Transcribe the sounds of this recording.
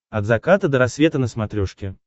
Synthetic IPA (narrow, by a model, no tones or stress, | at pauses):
ɐd̪zɐkat̪əd̪əɾɐsvʲet̪ənəsmɐt̪ɾʲoʂkʲɪ